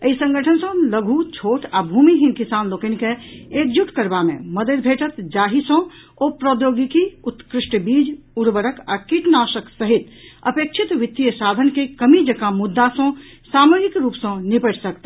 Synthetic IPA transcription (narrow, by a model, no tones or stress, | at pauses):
əisə̃ŋɡʱəʈʰənsə̃ləɡʱut͡ʃʰoʈabʱumiɦinkisanlokənkeekd͡ʒuʈkəɾbamḛməd̪ed̪bʱeʈət̪d͡ʒaɦisə̃ | opɾəd̪joɡikiut̪kɾisʈbid͡ʒuɾbəɾəka̰kiʈnasəksəɦit̪ə̰pek̚t͡ʃʰit̪ʋit̪ːijəsad̪ʱənkekəmid͡ʒəkamud̪ːasə̃samoɡikɾupsə̃nipəʈsəkt̪a